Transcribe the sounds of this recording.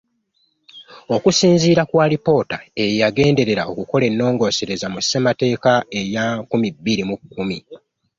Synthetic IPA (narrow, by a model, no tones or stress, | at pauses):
o̞kusiːnziːɾakwaːlipo̞tae̞jjaɡe̞ːnde̞ɾe̞ɾao̞kuko̞le̞nːo̞ːŋɡo̞ːse̞ɾe̞zamusːemate̞ːkae̞jakumibːiɾimukːumi